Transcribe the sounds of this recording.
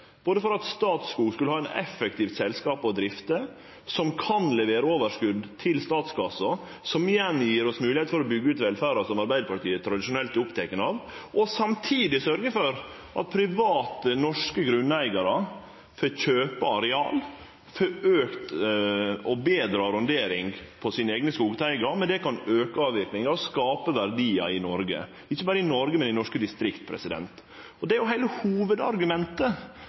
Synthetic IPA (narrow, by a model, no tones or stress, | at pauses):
b̥oːd̪əfɔɾɑt̪st̪ɑːt̪skuːskʉləhɑːɛnɛ̰fɛkt̪iːft̪sɛlskɑːpɔd̪ɾɪft̪ə | sɔmkʰɑnlɛʋeːɾəoːʋəʂkʉd̪t̪ʰɪlst̪ɑːt̪sɡɑsɔ | sɔmɪjɛnjiːɾɔsmʉːlɪeːt̪fɔɾɔbʏɡːəʉːt̪ʋɛlfæːɾɑɾsɔmɑɾbæɪd̪əpʰɑʈʰiːət̪ʰɾɑd̪ɪʃʊnɛlt̪ɪʊpt̪ʰɛkənɑːʋʔɔsɑmt̪ʰiːd̪ɪsœɾɡəfɔɾ | ʔɑ̰t̪̚pʰɾɪʋɑːt̪ənɔʂkəɡɾʉnːæɪɡɑɾə | føçøːpəɑɾɛɑ̰ːl | fɔøːkt̪ | ɔbeːd̪ɾɑːɾʉnd̪eːɾɪŋpʰɔsiːnəeːɡnəskuːɡt̪ʰæɪɡɑmɛnd̪ɛkɑnøːkəɑːʋʋɪɾknɪŋɑɔskɑːpəʋæɾd̪iːɑ̰ɪnɔɾɡə̰ | ɪçːəbɑːɾəɪnɔɾɡəmɛnɪnɔʂkəd̪ɪst̪ɾɪkt̪̚pʰɾɛ̰sɪd̪ɛ̰nt̪ | ɔd̪ɛæɾjʊɦæɪləhuːʋəd̪ɑ̰ɾɡʉmɛnt̪ə